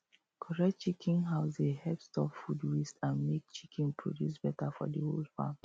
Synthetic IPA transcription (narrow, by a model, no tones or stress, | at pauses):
kʰɔɹɛk̚t͡ʃikʰĩnɦaʊsdehɛpstɔffudwistãnmek̚t͡ʃikʰĩnpʰɹo̰djus̬b̥ɛtafɔ̰dəholfã̰m